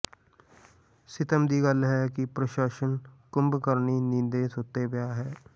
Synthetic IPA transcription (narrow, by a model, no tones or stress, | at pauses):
sɪt̪əmd̪iːɡəlɦɛːkɪpɾəʃaːʃənkʊ̃mbkəɾniːnɪnd̪eːsoːt̪eːbjaːɦɛː